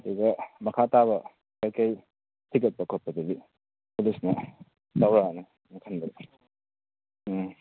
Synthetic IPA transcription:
diɡɐmɐkʰataβɐ | kajkaj | tʰik̬ɐt̚bɐkʰot̚pɐdɐɡi | pulisnɐ | tawɾanɐ | nɐkʰɐndɾe

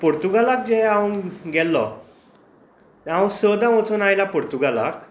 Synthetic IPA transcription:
poɾt̪uɡalak̚d͡ʑɛawəɡɛlːɔ | t̪aə̃səd̪ãmot͡sonajlapoɾt̪uɡala̰k

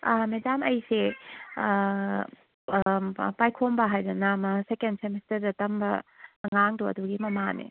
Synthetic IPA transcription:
amedamʔɐjse | pajkʰombɐɦajdɐnamɐsekendsemestɐɾdɐtɐmbɐ̰ːŋaŋdoɐ̰duɡimɐmanḛ

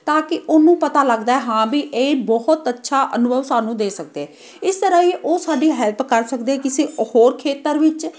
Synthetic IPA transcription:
t̪ãːkɪʔoːnũːpət̪aːləɡd̪aːɛːɦãːbiːʔeːbɔɦʊt̪ətːʃʰaːʔənʊbʱəʋsaːnũːd̪eːsək̚d̪eːɛ̃ː | ɪst̪əɾaːiʔoːsaːɖiːɦɛːlpkəɾsəkd̪eɛːkɪseːhoːɾkʰeːt̪əɾʋɪt͡ʃ

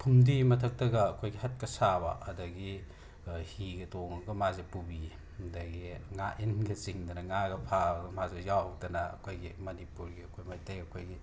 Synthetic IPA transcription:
pʰumdimɐtʰɐk̚tɐɡɐːkʰojɡihɐt̚kɐsabɐ̰ʔɐdɐɡi | hiɡɐtoŋɐɡɐmazepubi | dɐɡiŋaʔinɡɐsiŋdɐnɐŋaɡɐpʰabɡɐmazejawhɐwdɐnɐɐ̰kʰojɡimɐnipuɾɡiɐkʰojmajtejɐkʰojɡi

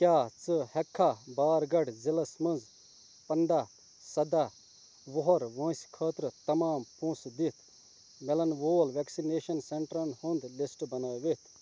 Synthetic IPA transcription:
kjaːt͡sɨhɐkʰːabaːɾɡɐɽzilɐsmɐ̃nd͡z | pɐɳɖaː | sɐd̪a | ʋoɦɔɾʋɐ̃ːsʲkʰɐːt̪ɾt̪ɐmaːmpũːsd̪it̪ʰ | melɐnʋoːlʋeksineːʃɐnseɳʈɾɐnhũnd̪lisʈbɐnaːʋet̪ʰ

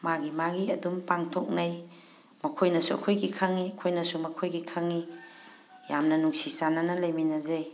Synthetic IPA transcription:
maɡimaɡiɐdumpaŋtʰok̚naj | mɐkʰojnɐsuɐ̰kʰojɡikʰaŋiɐkʰojnɐsumɐkʰojɡikʰaŋi | jamnɐnuŋsisananɐlɐjminɐzaj

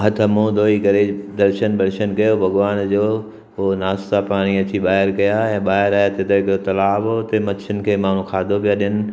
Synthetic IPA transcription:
ɦɐt̪ʰəmõd̪ʱoːikɐɾed̪ɐɾʃənbɐɾʃənkɐjobʱɐɣʋaːnd͡ʑoː | ʊonaːst̪apaːɽ̃iɐt͡ɕiɓaːɦɪɾkɐjaɛ̃ːɓaːɦɪɾaːjet̪et̪ɐɪkot̪ɐlaːbɦot̪emɐʃʰɪn̆kʰeːmaːn̤ũkʰaːd̪ʱobijaɗɪənɪ̆

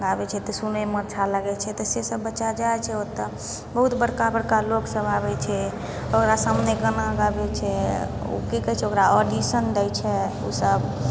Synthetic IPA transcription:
ɡabɛt͡ʃʰɛt̪ɔsunemət̪ːt͡ʃʰaləɡɛt͡ʃʰɛt̪ɔsesəbːətːʃad͡ʒaɛt͡ʃʰɛot̪ːə | bəɦut̪bəɽkabəɽkaloksəbʱabɛt͡ʃʰɛ | okɾasəmneɡənaɡabɛt͡ʃʰɛo̰kekəɦt͡ʃʰɛokɾaɔɖisənd̪ɛjt͡ʃʰɛo̰səb

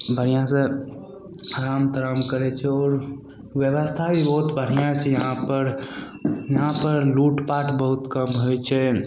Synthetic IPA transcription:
bʱəɾ̤ijãsẽ | aɾamt̪əɾəmkəɾɛt͡ʃʰɛɔːɾ | ʋjəʋəst̪ʰabʱibəɦut̪bʱəɾ̤ijãt͡ʃʰɛjəɦãpəɾ | jəɦãpəɾluʈpaʈbəɦut̪kəmɦojt͡ʃʰɛ

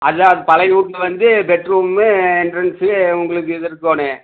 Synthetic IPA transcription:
ʔɐðɐðɯpɐlɐɪjuːʈnɯʋɐnd̪ɯbɛʈɾuːmeːɪnɖɾɐnseʊŋɡɐɭɯk̬ːɯɪðɯɾɯkːoːne

